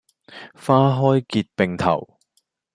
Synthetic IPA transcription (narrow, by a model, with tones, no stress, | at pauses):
faː˥ɦɔː˥jkiː˧t̚pe˨ŋt̪ʰɐ̰˨˩w